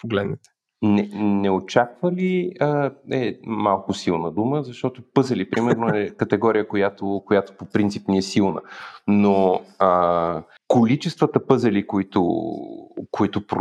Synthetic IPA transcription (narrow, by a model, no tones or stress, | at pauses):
poɡlɛd̪nɛt̪ɛ̥ | nɛnɛot͡ʃakvəliəɛmalˠkʊsilˠnəd̪uməzɐʃt̪ɔt̪opɤzəlipɾimɛɾnoɛkət̪ɛɡɔɾijəkojat̪okojat̪o̥popɾint̪sipniɛsilˠnə̰noə | kolit͡ʃɛst̪vət̪əpɤzɐlikoit̪ʊ̰ | koit̪ʊpɾ